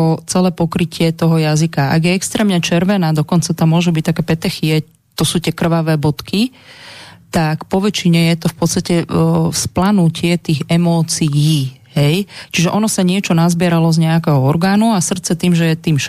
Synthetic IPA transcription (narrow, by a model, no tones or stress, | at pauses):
ɔt͡sɛlɛːpɔkɾicʰɪɛt̪ɔɦɔjazikaa̰ɡjɛɛkst̪ɾɛːmɲɛt͡ʃɛɾʋɛnaːd̪ɔkɔnt͡sat̪aːmʊɔʒubic̚t̪akɛːpɛt̪ɛxiɛ | t̪ɔsuːt̪ɛkr̩ʋaʋɛːbɔt̪ki | t̪akpɔʋɛt͡ʃiɲɛjɛt̪ɔfpɔt̪t͡sst̪acɛsplanucɪɛt̪iːɣɛmɔːt͡sijiːɦɛjt͡ʃiʒɛʔɔnɔsaɲɪɛt͡ʃɔnazbɪɛɾalɔzɲɛakɛɦɔɔɾɡaːnuasr̩t̪t͡sɛt̪iːmʒɛjɛt̪iːmʃ